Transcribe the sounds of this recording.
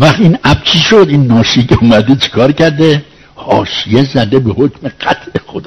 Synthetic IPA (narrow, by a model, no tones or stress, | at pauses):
væχt̪inæb̚t͡ʃʰiʃod̪inːɒːʃikeumæd̪et͡ʃʰi̥kʰɒːɾcæɾd̪e | hɒ̰ːʃijezæd̪ebehokʲmeɡæt̪ʰʔexod̪ː